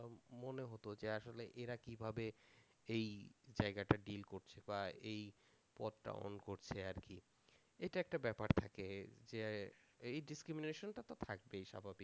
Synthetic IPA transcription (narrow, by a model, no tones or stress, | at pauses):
moneɦot̪od͡ʑeaʃoleʔeɾakibʱabe | ejd͡ʑaeɡaʈaɖilkoɾt͡ɕʰebaej | pɔd̪̚ʈa̰o̰nkoɾt͡ɕʰeaɾki | eʈaɛk̚ʈabɛpaɾt̪ʰaked͡ʑeejɖiskɾimineʃonʈat̪ot̪ʰak̚beejʃa̰bʱabik